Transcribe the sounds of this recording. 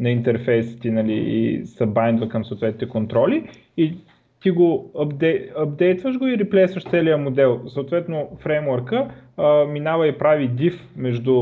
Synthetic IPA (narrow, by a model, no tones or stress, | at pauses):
nɐint̪ɛɾfɛjsi̥t̪inɐlḭḭsɐbajnd̪əlˠkɐmsoːt̪vɛt̪nit̪ɛkont̪ɾɔliː | t̪iɡoɐbd̪ɛɐb̚d̪ɛjt̪vəʒɡoiɾiplɛjsvəʃt̪sɛlijəmod̪ɛlˠsɐot̪vɛt̪nofɾɛmwəɾkəminavɐipɾavid̪ifmɛʒd̪u